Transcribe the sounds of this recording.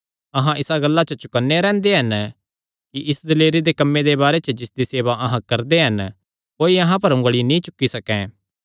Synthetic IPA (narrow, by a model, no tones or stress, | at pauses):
ɐɦãʔɪsaɡɐlːat͡ʃət͡ʃʊkənːeɾɛ̃ːnd̪eɦɐn | kiʔɪsd̪ɐleːɾid̪ekɐmːed̪ebaːɾet͡ʃəd͡ʒɪsd̪iseːʋaʔɐɦãkɐɾd̪eɦɐn | koːiɐɦãpɐɾʊ̃ŋɡɭinĩt͡ʃʊkːisɐkɛ̰̃